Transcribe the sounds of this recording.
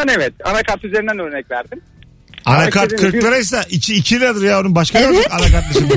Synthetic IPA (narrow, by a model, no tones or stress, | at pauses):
anevɛt̪̚a̰nakʰaɾt̪yzeɾind̪ænøɾnɛcvæɾd̪im | anakʰaɾt̪kʰɯɾklˠaɾajs̬aʔicʰiːcʰid̪ad̪ɯɾjaounbaʃkʰaaakanakaɾt̪lˠaʃɯm